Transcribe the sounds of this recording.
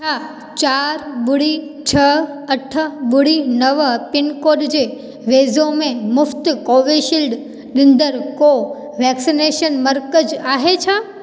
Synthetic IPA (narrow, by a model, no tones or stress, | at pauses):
t͡ʃʰa | t͡ɕaːɾbʊɽit͡ʃʰəəʈʰəbʊɽinəʋpɪnkoːɖd͡ʑe | ʋeːzõmẽmʊft̪koʋeʃilɖ | ɗɪ̃nd̪əɾko | ʋɛksineʃənməɾkəd͡ʒaːɦet͡ʃʰã